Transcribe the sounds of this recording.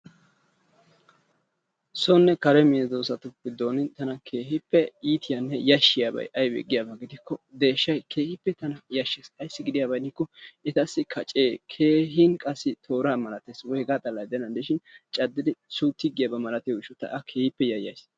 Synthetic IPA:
sɔnːɛkɐɾɛmɪɛd̪oːsɐt̪ʊpːɪd̪oːnɪnt̪ɐnɐkʰe̞ːɦɪpːɛiːt̪ɪjanːɛjɐʃːɪjaːbɐ̰jʔɐjbɛ̰ɡːɪjaːbɐɡɪd̪ɪkːɔd̪e̞ːʃːɐjkʰe̞ːhɪpːɛt̪ɐnɐjɐʃːeːsɐjsːɪɡɪd̪ɪjaːbɐjnɪkːɔɪt̪ɐsːɪkʰɐt͡ʃʼeːkʰe̞ːɦɪnkʼɐsːɪt̪ʰo̞ːɾaːmɐlɐt̪eːswɔhɛɡaːt̪ʼɐlːɐjd̪ɛnɐnd̪ɪʃɪnt͡ʃʼɐd̪ːɪd̪ɪsut̪ːɪɡɪjabɐmɐlɐt̪ejɪʃɔt̪ːɐ̰ʔɐkʰe̞ːhɪpːɛjɐjɐ̰js

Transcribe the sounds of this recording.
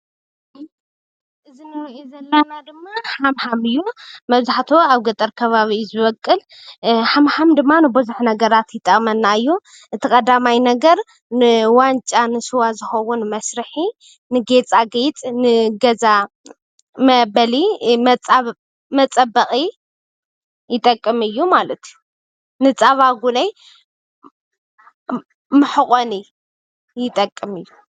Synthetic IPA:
ʔɨzinɨɾɐʔezɐlːanad̪ɨmːahamhamɨjːumɐβzaħt̪ʰoaβɡɐt̪ʼɐɾkʰɐβaβizɨβɐkʼːɨl | ħamhamd̪ɨmːanɨbɨzuħnɐɡɐɾat̪jɪt̪ʼːɐkʼmɐnːaɨjːu | ʔɨt̪ʰikʼɐd̪amajnɐɡɐɾ | nɨwant͡ʃʼanɨsɨwazɨxɐwunmɐsɾɨħi | nɨɡe̞t͡sʼaɡejt͡sʼnɨɡɐza | mɐbɐlimʼ | mɐt͡sʼɐbɐχʼi | jɪt̪ʼɐkʼːɨmɨjːumalɐt̪ʰju | nɨt͡sʼɐβaɡunej | mɨħɨχʼoni | jɪt̪ʼɐkʼːɨmɨjːu

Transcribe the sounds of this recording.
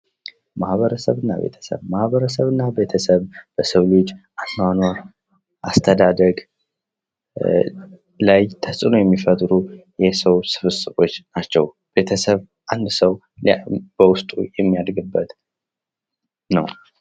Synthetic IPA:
mahβəɾəsəβɨnːa̰βḛt̪ʰə̥sə̰βmahβəɾəsəβɨnːabe̞t̪ʰəsəβb̥əsəwlid͡ʒʔanːanwa | ʔast̪ʰəd̪ad̪əɡ | lajt̪ʰəsʼɨnojɛmːifət̪ʼɾujɛsəwsɨ̥fɨsʼɨfot͡ʃːnat͡ʃːɛw | b̥e̞t̪ʰəsəβ | ʔand̪səw | b̥əwʊst̪ʼṵjɛmːijad̪ɡɨbːət̪ | nəw

